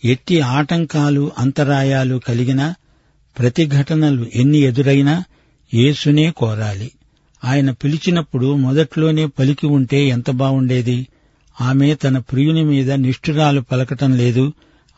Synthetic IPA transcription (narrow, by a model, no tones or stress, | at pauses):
e̞ʈːiaːʈɐŋkaːluʔɐnt̪ɐɾaːjaːlukɐliɡinɐ | pɾɐt̪iɡʱɐʈɐnɐluʔe̞nːie̞d̪uɾɐjna | je̞ːsune̞ːkɔːɾaːli | aːjɐnɐpilit͡ʃinɐpːuɽumɔd̪ɐʈlo̞ːne̞ːpɐlikiuɳʈe̞ːɛnt̪ɐbaːwuɳɖe̞ːd̪i | aːme̞ːt̪ɐnɐpɾijunimiːd̪ɐniʂʈuɾaːlupɐlɐkɐʈɐmle̞ːd̪u